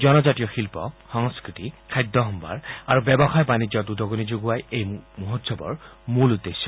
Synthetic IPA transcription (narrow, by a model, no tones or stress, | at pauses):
zɔnɔzatijɔxilpɔ̰xɔŋskɹitikʰajd̪ʱːɔɦɔmba̰ɹaɹubɛbɔxajɔbanid͡ʑɔtudʱɔɡonizoɡuwajejmuɦotsɔbɔ̰ɹmulud̪ːesːɔ